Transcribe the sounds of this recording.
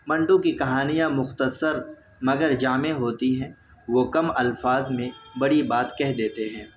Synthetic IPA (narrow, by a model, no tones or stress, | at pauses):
mɐ̃ɳɖõkikɐɦaːnijãmʊxt̪əsəɾ | mɐɡəɾd͡ʒaːmeɦoːt̪iɦɛ̃ː | ʋoːkɐmɐlfaːzmẽbɐɽibaːt̪kɛɦd̪eːt̪eɦɛ̃ː